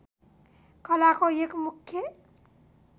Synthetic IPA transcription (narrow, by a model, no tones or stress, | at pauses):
kʌlakoekmukʰje